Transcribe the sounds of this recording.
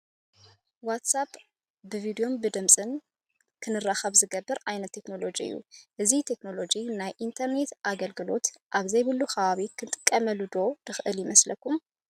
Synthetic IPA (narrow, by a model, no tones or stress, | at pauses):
wat̪sap | bɨvid̪io̞mbɨd̪ɨmsʼɨn | kʰɨnɨrːaxɐβzɨɡɐbːɨɾajnɐt̪ʰːe̞kno̞lo̞d͡ʒiɨ̰jːṵʔɨzit̪ʰe̞kno̞lo̞d͡ʒinajʔint̪ʰɐɾne̞t̪ʔaɡɐlɡɨlo̞t̪ʔaβzɐjβɨlːuxaβaβikʰɨnt̪ʼɨ̥kʼːɐmɐlud̪o̞d̪̥ɨxʔɨljɪmɐslɐkʰːum